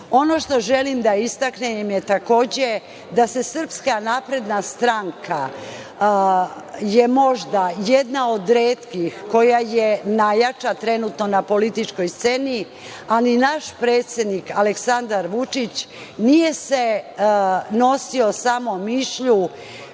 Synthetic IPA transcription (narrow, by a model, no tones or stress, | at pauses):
o̞no̞ʃt̪o̞ʒe̞limd̪aist̪aknemjet̪ako̞ːd͡ʑe̞ | d̪ase̞sr̩pskanaːpɾe̞d̪nast̪ɾaŋkʰa | je̞mo̞ʒd̪ajed̪nao̞d̪ɾeːt̪kixko̞jajenajat͡ʂat̪ɾe̞nut̪no̞napo̞lit̪it͡ʂko̞jst̪se̞ni | alinaʃpɾe̞ːt̪sʲjed̪nikaleksand̪aɾʋut͡ʂit͡ɕ | nije̞se | no̞sio̞samo̞miʃʎu